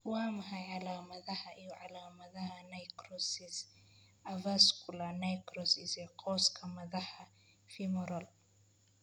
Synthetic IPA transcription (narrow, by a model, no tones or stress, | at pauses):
wɑːmɐɦɐjʕɑlaːmɐðɐhɐʔijɔʕɑlaːmɐðɐɦɐnɐjkrɔsɪs | ɐvɐskʰʊlɐnɐjkrɔsɪsɛqʰɔːskʰɐmɐðɐħɐ | fimʊɾɔl